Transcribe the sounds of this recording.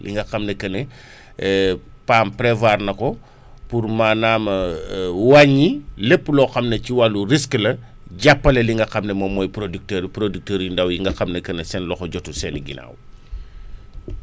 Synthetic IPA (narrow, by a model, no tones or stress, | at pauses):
lʔḭŋɡɐxɐmnɐkɐnɛ | paːmpɾɛvaːrnɐkɔ | purmaːnaːmɐwaɲːilepːlɔxɐmnɐciwalurisklɐ | ɟapːɐlɐliŋɡɐxɐmnɐmɔmɔːjpɾodik̚təɾpɾodik̚təːɾindawjiŋɡɐxɐmnɐkɐnɛsɛnlɔxɔɟɔtusɛniɡḭna̰ːw